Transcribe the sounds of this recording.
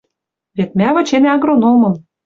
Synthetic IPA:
βet̪̚mʲæβɤ̆t͡ɕenɑɣɾonomɤ̆m

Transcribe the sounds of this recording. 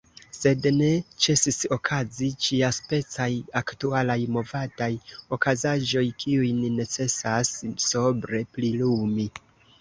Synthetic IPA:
se̞dne̞t͡ʃe̞siso̞kʰazit͡ʃiaspe̞t͡sajaktualajmo̞vadajo̞kazaʒo̞jkʰiujnine̞t͡se̞sasːobɾe̞plilumi

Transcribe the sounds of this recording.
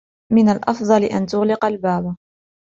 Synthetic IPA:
mɪnalʔɑfðˤɑlɪʔant̪ʊɣlɪqalbaːb

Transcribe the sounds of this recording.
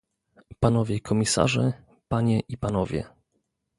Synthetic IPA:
panɔvʲjɛikʰɔmʲisa̰ʐɛ | paɲɛʔipanɔvʲjɛ̰

